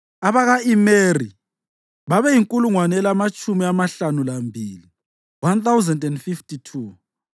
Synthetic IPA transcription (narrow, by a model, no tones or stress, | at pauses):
aβaɣaimeri | βaβɛjiŋkʼuluŋwanɛlamat͡ʃʼumiamaɬanulambʱiːli | want̪awzɛndɛndfiftʰʼitʰuː